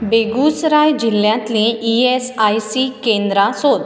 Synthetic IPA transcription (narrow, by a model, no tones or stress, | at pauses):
beɡusɾajd͡ʑilːjãt̪lẽʔiesajsikẽnd̪ɾasod̪